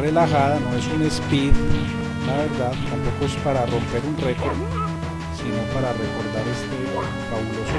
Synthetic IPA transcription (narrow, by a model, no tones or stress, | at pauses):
elaxaðano̞e̞sune̞spið | laβe̞ɾd̪aðt̪ampo̞koespaɾaro̞mpe̞ɾunre̞koɾd̪ | sino̞paɾare̞ko̞ɾd̪aɾe̞st̪e̞ | faβulos